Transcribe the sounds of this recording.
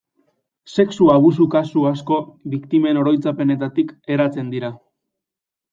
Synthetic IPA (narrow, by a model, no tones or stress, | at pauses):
se̞ksuaβ̞usukasuasko̞βikt̪ime̞no̞ɾo̞jt͡sape̞ne̞t̪at̪ike̞ɾat͡se̞nd̪iɾa